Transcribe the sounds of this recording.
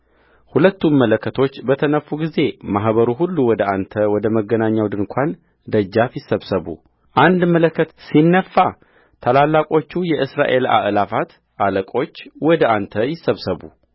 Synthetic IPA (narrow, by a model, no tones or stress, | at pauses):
hulət̪ːumːələkʰːət̪ʰo̞t͡ʃːbət̪ʰənəfuɡize̞maɦβəɾuɦulːuwɔd̪əant̪ʰəwɔd̪əməɡːənaɲːawd̪ɨŋkʷʰan | d̪əd͡ʒːafjɪsːəβsəβṵ | ʔand̪mələkːət̪sinːəfːa | t̪ʰalalːakʼo̞t͡ʃːujɛʔɨsɾa̰ʔe̞la̰ʔlafat̪ | ʔaləkʼo̞t͡ʃːwɔd̪əʔant̪ʰəjɪsːəβsəβṵ